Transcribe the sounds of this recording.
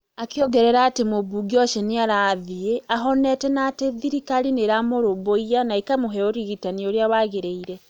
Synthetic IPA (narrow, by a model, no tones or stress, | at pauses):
akjɔɡɛɾɛɾaːtemoβuɡiɔʃeniaɾaðieaɦɔnɛtɛnateðiɾikalineɾamoɾoboijanaikamoɦɛoɾiɣitanioɾjaβaɣeɾeiɾɛ